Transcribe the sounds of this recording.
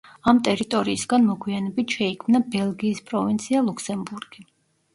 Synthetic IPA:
amt̪ʼɛɾit̪ʼɔɾiːsɡanmɔɡwianɛbit̪ʃɛikʰmnabɛlˠɡiːspʼɾɔvint̪sʰialˠukʰsɛmbuɾɡ̥i

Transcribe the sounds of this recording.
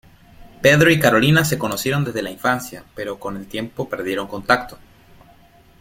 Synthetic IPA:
pe̞ðɾo̞ikaɾo̞linase̞ko̞no̞sje̞ɾo̞nd̪e̞zðe̞laiɱfansjape̞ɾo̞ko̞ne̞lt̪je̞mpo̞pe̞ɾðje̞ɾo̞ŋko̞nt̪akt̪o̞̥

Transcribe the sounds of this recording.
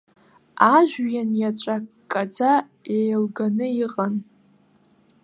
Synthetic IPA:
aʒᶣʷjanjat͡ʃʷʼakʼːad͡za | ejlɡanɨiqʼan

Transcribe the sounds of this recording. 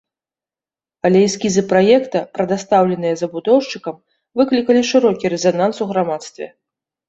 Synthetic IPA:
ɐlʲɛjisʲkʲizɨpɾajɛkt̪ɐpɾɐd̪ast̪awlʲɛn̪ɨjɐzɐbud̪ɔwʂt͡ʂɨkɐm | vɨklʲikɐlʲiʂɨɾɔkʲiɾɛzanansuɣɾamat̪st̪vʲɛ̰

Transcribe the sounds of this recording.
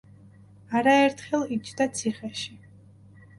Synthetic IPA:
aɾaɛɾt̪ʰχɛlˠit͡ʃʰd̪at̪sʰiχɛʃi

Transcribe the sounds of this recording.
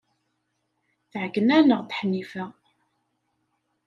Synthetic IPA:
θʕkːənænəʁθħnːifæ

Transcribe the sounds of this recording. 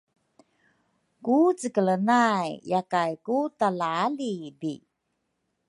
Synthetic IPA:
kut͡səkələnajjakajkutalalibi

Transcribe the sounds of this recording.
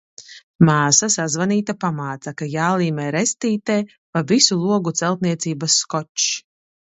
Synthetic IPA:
maːsasazvaniːt̪apamaːt̪sakajaːlˠiːmɛːɾɛst̪iːt̪eː | pavisulˠuɔɡut̪sɛlˠt̪̚niɛt̪siːbasːkɔt͡ʃ

